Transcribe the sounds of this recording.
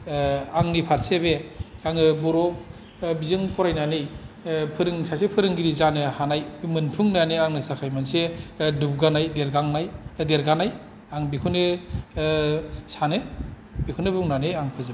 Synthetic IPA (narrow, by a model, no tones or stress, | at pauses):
aŋnipʰaɾseβeaŋɯbɔɾɔ | bizɯŋpʰɔɾajnanɯjpʰɯɾɯŋsasepʰɯɾɯŋɡiɾizanɯhanajbimɯnpʰuŋnanɯaŋnɯsakʰajmansedup̚ɡanajdeɾɡaŋnajdeɾɡanaj | aŋbikʰunɯ | sanɯ | b̥ikʰunɯbuŋnanɯaŋpʰɯzɯ